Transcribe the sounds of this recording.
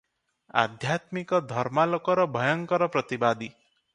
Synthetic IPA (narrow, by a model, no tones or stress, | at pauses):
a̰d̪ʱjat̪mikɔd̪ʱɔɾmalɔkɔɾɔbʱɔjɔŋkɔɾɔpɾʌt̪ibad̪i